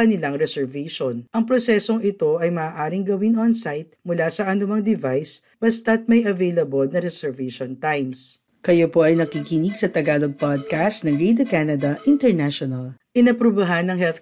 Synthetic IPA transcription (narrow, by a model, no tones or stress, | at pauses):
ɐnɪlaŋɾɛsɛɹvɛʃonʔɐŋpɾosɛso̞ŋɪt̪o̞ʔɐjmɐaːʔaːɾɪŋɡɐwinonsajt̪̚mʊlasɐʔɐnʊmɐŋd̪ɪvajs | b̥ɐst̪ɐt̪̚mɐjɐvejlɐbolnɐɾɛsɛɹvɛʃont̪ajms | kɐjopo̞ʔɐjnɐkikiniɡsɐt̪ɐɡaːloɡ̚pad̪̚kast̪nɐŋɹed̪okanɐd̪ɐʔɪnt̪ɛɹnaʃonɐlʔɪnɐpɾubɐɦanːɐŋhɛlθ